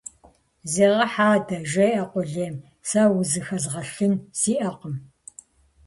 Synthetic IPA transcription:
zeːʁɐħaːdɐʒɐjʔɐqʷʊɮeːm | sawʊzɨxɐzʁɐɬɨnsiːʔɐqəm

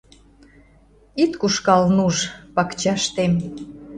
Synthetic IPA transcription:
it̪kuʃkɑlnuʒpɑkt͡ɕɑʃt̪em

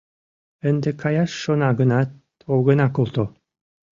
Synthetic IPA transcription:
ɘ̆nd̪ekʰɑjɑʃːonɑɡə̆nɑt̪ | owɣə̆nɑkolˠt̪o

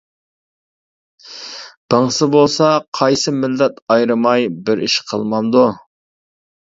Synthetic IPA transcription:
b̥əŋsɨbolˠsɑqʰɑjsɨmɪlːɛt̪ɑjɾɨmɑjbɪɾiʃqʰə̰lˠmɑnd̪u

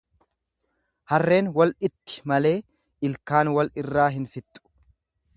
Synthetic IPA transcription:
hɐrːe̞ːnwɐlɪt̪ːɪ̥mɐle̞ː | ɪlkaːnwɐlɪrːaːɦɪnfɪt̪ʼːʊ̥

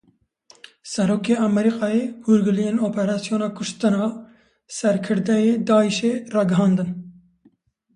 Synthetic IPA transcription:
sɛɾoːkeːɑmɛɾiqɑːjeːhuɾɡɨlijenoːpɛɾɑːsijoːnɑːkʰʊʃt̪ɨnɑː | sɛɾkʰɨɾd̪ɛjeːd̪ɑːiʃeːrɑːɡɨɦɑːnd̪ɨn

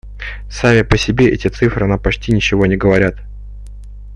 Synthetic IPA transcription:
samʲɪpəsʲɪbʲe̞ʔɛ̰tʲɪt̪sɨfɾɨɐnapɐt͡ɕtʲinʲɪt͡ɕɪvo̞nʲɪɡəvɐɾʲat̪

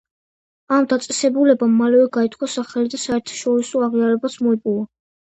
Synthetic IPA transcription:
amd̪at̪sʼɛsɛbulɛbamːalɛvɛɡait̪ʰkʰwasaχɛlid̪asaɛɾt̪ʰḁʃɔɾisɔaʁiaɾɛbasmɔipʼuva

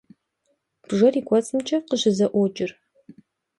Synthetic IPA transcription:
b̥ʐɐriːkʷɔt͡sʼɨmt͡ʃʰʼɐqəʑɪzɐʔʷɔd͡ʒʼɪr

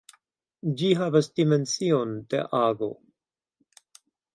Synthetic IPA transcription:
d͡ʒiɦavasdime̞nt͡sio̞ndḛʔaːɡo̞̰

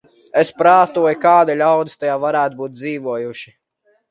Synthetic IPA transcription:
espɾaːt̪uɔjkaːd̪ilʲawd̪ist̪ajaːvaɾæːt̪buːt̪̚d̪ziːvuɔjuʃi̥

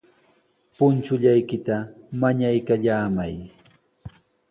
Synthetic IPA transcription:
pʊnt͡ʃʊʎajkɪt̪amaɲajkaʎaːmaj

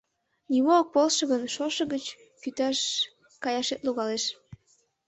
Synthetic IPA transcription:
nimok̚polʃə̆ɣənʃoʃəɣət͡ɕ | kyt̪ɑʃ | kɑjɑʃet̪luɣɑleʃ

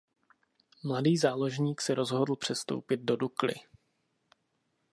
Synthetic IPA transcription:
mladiːzaːlo̞ʒɲiːksɛɾo̞zɦodl̩ˠpr̝̥ɛst̪o̰wpɪd̪̚do̞duklɪ̰

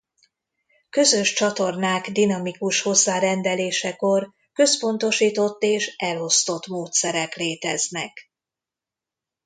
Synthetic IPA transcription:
kø̞zøʃt͡ʃɒt̪o̞rnaːɡd̪inɒmikuʃho̞zːaːɾɛnd̪ɛleːʃɛko̞r | kø̞spo̞nt̪o̞ʃiːt̪o̞t̪ːeːʃɛlo̞st̪o̞t̪moːt̪sɛɾɛkleːt̪ɛznɛk

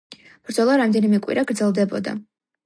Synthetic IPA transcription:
b̥ɾd̪zɔlˠaɾamd̪ɛnimɛkʼwḭɾaɡɾd̪zɛlˠd̪ɛbɔ̰d̪a̰

